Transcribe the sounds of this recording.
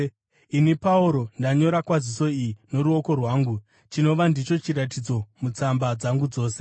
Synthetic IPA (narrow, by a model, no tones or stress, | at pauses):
inipauɾo̞ndaɲo̞ɾakwaziso̞ijino̞ɾuoko̞rwaːŋɡu | t͡ʃino̞ʋandit͡ʃo̞t͡ʃiɾatid͡zo̞mut͡sambad͡zaŋɡud͡zo̞ːse